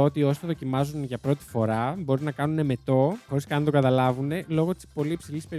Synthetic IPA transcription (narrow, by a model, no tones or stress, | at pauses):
ot̪io̞so̥t̪oðo̞cimɐzunʝɐpɾo̞t̪i̥fo̞ɾɐbo̞ɾinɐkɐnune̞me̞t̪o̞xo̞ɾiskɐɐnt̪o̞ɡɐt̪ɐlɐvune̞lo̞ɣo̞t̪i̥spo̞liːpsilispe